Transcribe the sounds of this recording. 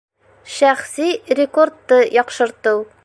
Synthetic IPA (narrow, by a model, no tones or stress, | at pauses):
ʃæχsiɾʲɪkort̪ːɤjɒqʃɤ̆ɾt̪ɤw